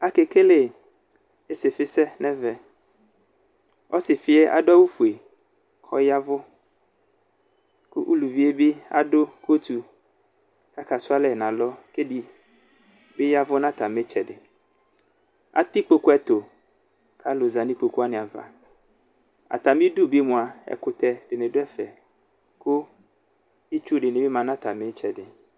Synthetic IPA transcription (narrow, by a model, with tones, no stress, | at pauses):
a˦ke˨ke˦le˦ | e˦sɪ˨fɪ˦sɛ˦nɛ̃˦vɛ˨ | ɔ˦sɪ˨fɪ˦e˦ʔa̰˨ɖa˦wu˦fu˨e˨ | kʰɔ˦ja˦vʊ˦ | kʊ̰˦ʔu˦lu˨vi˦e˦bɪ˦a̰˦dʊ˦ko˦t̪u˨ | ka˦ka˨sʊ˦a˦lɛ˨nã˨lɔ˦ke˦di˨ | bɪ˦ja˦vʊ˦nã˦t̪a˨mɪ˦t͡ʃɛ˨dɪ˨ | a̰˨t̪ɪ˦k͡po˦kʊ˦ɛ˨t̪o˨ | kʰa˨˦lo˨za˨nɪ̃˦k͡po˨ku˦a˦nɪ̃˨a˨va̰˨ | a̰˨t̪a˨mɪ̃˦du˦bɪ˦mʊ̃˨a˨ɛ̰˨kʊ˨t̪ɛ˨dɪ˨nɪ̃˨dʊ˦ɛ˦fɛ˨ | kʊ˦ | ɪ˦t͡ʃu˦ɖɪ˨nɪ̃˨bɪ˦mã˨nã˦t̪a˨mɪ˨˦t͡ʃɛ˨dɪ˨